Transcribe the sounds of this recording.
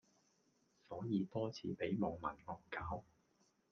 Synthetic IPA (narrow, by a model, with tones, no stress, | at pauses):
sɔː˨˥jiː˨˧t̪ɔː˥t͡sʰḭː˨˥pe˨˥jmɔː˨ŋmɐ̰˨˩nŋɔː˨˩ŋkaː˨˥w